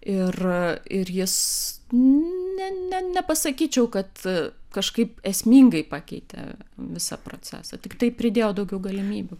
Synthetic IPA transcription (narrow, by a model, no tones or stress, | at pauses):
ɪrɪrjɪs | nʲɛnʲɛnʲɛpɐsɐkʲiːt͡ʃʲɛʊkɐt̪kɐʃkɐɪpɛsʲmʲiːŋɡɐɪpɑːkʲɛɪt̪ʲɛ̰ʋʲɪsɐ̰pɾo̰t͡sʲæ̰ːsɐt̪ʲɪkt̪ɐɪpʲɾʲɪd̪ʲeːjoːd̪ɐʊɡʲɛʊɡɐlʲɪmʲiːbʲʊ